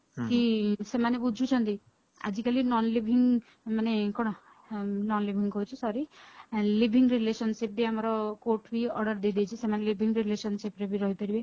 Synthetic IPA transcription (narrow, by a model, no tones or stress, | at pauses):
kisemanebud͡ʒʱut͡ʃʰɔnt̪i | a̰d͡ʒikalinɔnlibʱiŋ | manekɔɽ̃ɔ | nɔnlibʱiŋɔut͡ʃʰusɔɾi | libʱiŋɾilesɔnsip̚biamɔɾɔkoʈʰbiɔ̰ɾɖɔɾd̪ed̪it͡ʃʰisemanelibʱiŋɡɾilesɔnsipɾebiɾɔɦip̪eɾibe